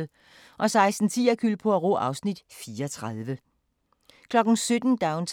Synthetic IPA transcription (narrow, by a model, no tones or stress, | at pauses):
ʔɒ̽sɑ̈ɪsd̥n̩t͡sʰḭːɐkʰylpʰɒ̽æʁɔ̰ʔɑ̈ʊsnid̥fiːɐɒt͡sʰʁɑð̞ˠʋə | kʰlɒ̽ɡ̥n̩sød̥n̩d̥ɑ̈ʊnt͡sʰ